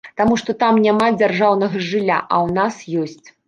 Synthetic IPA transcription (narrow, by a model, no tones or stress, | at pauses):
t̪amuʂt̪ɔt̪amnʲamad͡zʲarʐawnɐɣɐʐɨlʲːa̰ʔɐ̰wnasjɔsʲt͡sʲ